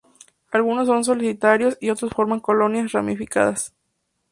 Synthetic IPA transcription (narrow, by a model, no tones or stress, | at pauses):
alɣunos̬ːo̞ns̬o̞lisit̪aɾjo̞sio̞t̪ɾosfo̞ɾmaŋko̞lo̞njasramifika̰ðas